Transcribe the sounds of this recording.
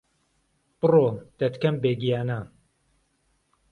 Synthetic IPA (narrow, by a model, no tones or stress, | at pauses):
b̥ɨroːd̪̥ɐt̪kɐmbeːɡijaːnɐ